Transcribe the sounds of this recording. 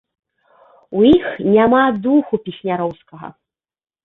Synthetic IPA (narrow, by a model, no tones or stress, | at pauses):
ujixnʲamad̪uxupʲisʲnʲaɾɔwskɐɣɐ̰